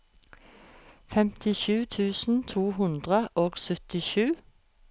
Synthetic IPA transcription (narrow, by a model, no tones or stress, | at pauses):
fɛmt̪ɪʃʉːt̪ʰʉːsn̩t̪ʰuːɦʉnd̪ʁəʔoːɡsœt̪ɪʃʉː